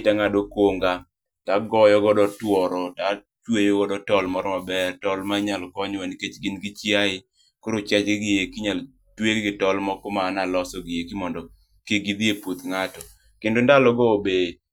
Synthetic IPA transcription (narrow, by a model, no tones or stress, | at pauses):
taŋadokoŋɡa | taɡɔjɔɡɔdɔtwɔɾɔta | t͡ʃwejɔɡɔdɔtɔlmɔɾɔmabɛrtɔlmaɲalkɔɲwaniket͡ʃɡɪnɡit͡ʃjaɪ | koɾot͡ʃat͡ʃɡɪɡɪjekiɲal | tweɡɡɪtɔlmɔkɔmaːnalɔsɔɡɪjekimɔndɔ | keɡid̪iepot̪ŋatɔ | kendondalɔɡɔobe